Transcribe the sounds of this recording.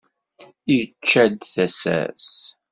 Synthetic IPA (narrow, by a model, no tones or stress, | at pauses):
it͡ʃːæd̪θæsæ̰s